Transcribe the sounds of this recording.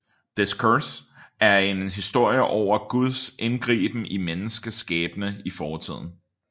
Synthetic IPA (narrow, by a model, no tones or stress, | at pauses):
d̥eskʰøsæɐe̝nɦisd̥o̝ɐ̰jəʔɒʊ̰ɐɡ̥uðˠse̝nɡ̥ʁḭːb̥n̩imenəsɡ̥əsɡ̥ɛ̰ːb̥ənəifɒːt͡sʰið̞̰ˠn̩